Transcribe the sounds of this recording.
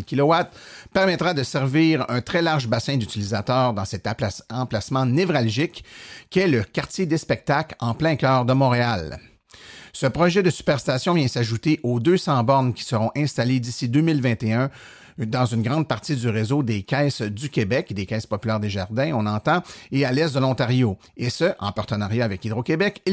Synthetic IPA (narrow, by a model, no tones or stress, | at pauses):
kʲilɔwat̪̚pɛʁmɛt̪ʁad̪əsɛʁviːʁœ̃t̪ʁɛlaʁʒbasɛ̃d̪yt͡silizat̪œːʁd̪ɑ̃sɛt̪ɑ̃plasmɑ̃nevʁalʒɪkːiɛləkʲaʁt̪jed̪espɛk̚t̪aklɑ̃plɛ̃kʲœːʁd̪əmɔ̃ʁeal | səpʁɔʒɛd̪əsy̥pɛʁst̪asjɔ̃vjɛ̃saʒut̪eʔod̪øsɑ̃bɔʁnkʲi̥səʁɔ̃ʔɛ̃st̪aled̪isid̪øːmɪlvɛ̃t̪eœ̃ | d̪ɑ̃zynɡʁɑ̃d̪̚paʁt̪id̪yʁezod̪ekʲɛsd̪ykʲebɛkd̪ekɛːspɔpylɛːʁd̪eʒaʁd̪ɛ̃ɔ̃nɑ̃t̪ɑ̃ealɛsd̪əlɔ̃t̪aʁjo | esəʔɑ̰̃paʁt̪ənaʁjaːvɛkid̪ʁokʲebɛk